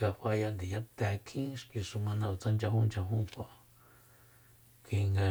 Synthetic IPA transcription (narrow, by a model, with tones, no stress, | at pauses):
ka˧ɸa˧ja˧nd̪i˨ja˦t̪a˧kʰĩ˦ʂki˧su˧mã˧nã˧˨u˧t͡sã˦nd͡ʒa˧hũ˦nd͡ʒa˧ɦũ˦kʷa˨ʔ | ki˧ŋɡa˧